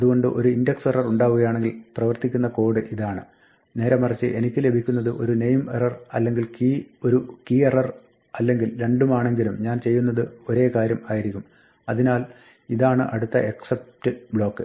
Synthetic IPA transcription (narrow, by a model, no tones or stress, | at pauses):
ɐðuɣo̞ɳɖɨʔo̞̰ɾuindɐkserɐruɳɖaːʋuɣɐjaːɳeŋɡilprɐʋɐrt̪ikʲːunːɐko̞ːɽɨʔiðaːɳɨ | ne̞ːɾɐmɐrɐt͡ɕːɨʔe̞nikʲːɨle̞bʱikʲːunːɐðɨʔo̞̰ɾune̞jmḛrɐrɐ̰lːe̞ŋɡilkio̞ɾukierɐr | ɐlːe̞ŋɡilɾe̞ɳɖumaːɳe̞ŋɡilumɲaːnt͡ɕe̞jːunːɐðɨo̞ɾe̞ːkaːɾjɐmaːjiɾikʲːum | ɐðinaːl | iðaːɳɨʔɐɽut̪ːɐ̰ʔe̞ksep̚tɨbɭo̞ːkːɨ